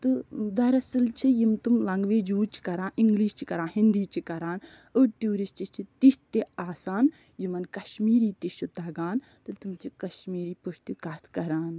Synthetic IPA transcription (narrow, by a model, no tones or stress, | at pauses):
t̪ɨd̪ɐɾɐsɨlt͡ʃʰijimt̪umlɐŋɡʋeːd͡ʒuːt͡ʃʰi̥kɐɾãːʔiŋɡliːʃt͡ʃʰikɐɾãːɦind̪iːt͡ʃʰikɐɾaːn | əʈjuːɾist͡ʃit͡ʃʰit̪iʃt̪eaːsaːn | jimɐnkɐʃmiːɾiːt̪iʃud̪ɐɡaːn | t̪ɨt̪umt͡ʃʰikɐʃmiːɾiːpuʃt̪ukat̪ʰkɐɾaːn